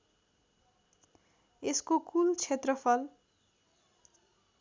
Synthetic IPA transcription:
eskokult͡sʰet̪rʌpʰʌl

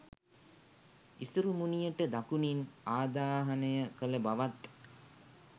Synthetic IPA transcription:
isuɾumunijəʈəd̪akuninaːd̪aːɦanəjəkələbaʋat̪

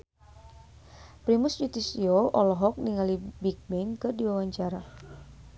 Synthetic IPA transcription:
pɾimʊsjut̪isioʔɔlɔɦɔk̚niŋalibik̚mɛnkɨrdiwawaɲt͡ʃaɾa

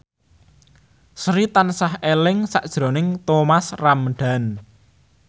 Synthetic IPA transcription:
sɾit̪ansahelɪŋsa̰ʔd̥ʒ̥ɾo̤nɪŋt̪omasramɖ̥a̤n

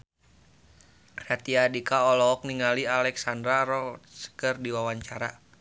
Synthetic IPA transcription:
ɾat̪iadikaɔlɔɔk̚niŋalialɛksandɾaɾɔsə̥kərdiwawaɲt͡ʃaɾa

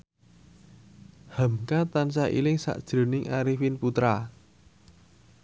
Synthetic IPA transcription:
hamkat̪ansaʔḭlɪŋsa̰ʔd̥ʒ̥ɾo̤nɪŋʔaɾifinput̪ɾa

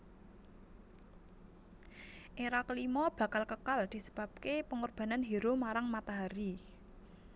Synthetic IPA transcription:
ʔeɾakəlimɔb̥ä̤kalkəkald̪̥i̤sə̥b̥a̤p̚kepəŋurb̥a̤nanɦiɾomaɾaŋmat̪aɦaɾi

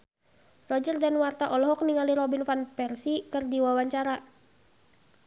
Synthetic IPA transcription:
rɔd͡ʒərdanwart̪aʔɔlɔɦɔk̚niŋaliɾɔbinfanpɛrsikɨrdiwawaɲt͡ʃaɾa

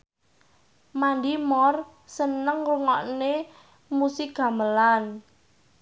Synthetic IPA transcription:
mandimɔr | sənəŋruŋɔʔne | musiɡ̥a̤məlan

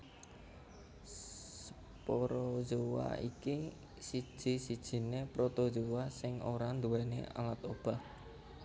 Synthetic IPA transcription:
ssə | poɾɔd͡ʒowa̰iki | sid̥ʒ̥i̤sid̥ʒ̥i̤nepɾot̪od͡ʒowasɪŋoɾand̪uɛnḛa̰lat̪ob̥a̤h

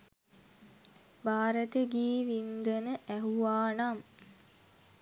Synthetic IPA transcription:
baːɾət̪əɡiːʋind̪ənəʔæɦuʋaːnam

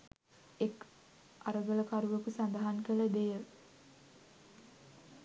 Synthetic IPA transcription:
ek | aɾəɡələkaɾuʋəkusand̪əɦaŋkələd̪ejə

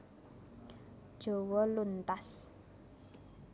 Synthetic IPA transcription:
d̥ʒ̥o̤wɔlunt̪as

